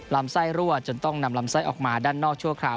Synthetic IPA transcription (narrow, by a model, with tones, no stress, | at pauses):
la˧˥msa˥˩jɾu˥˩ət̪̚t͡ɕo˧nt̪ɔ˥˩ŋna˧mla˧˥msa˥˩jʔɔː˨˩k̚maː˧daː˥˩nːɔː˥˩k̚t͡ɕʰu˥˩ɐkʰaː˧˩w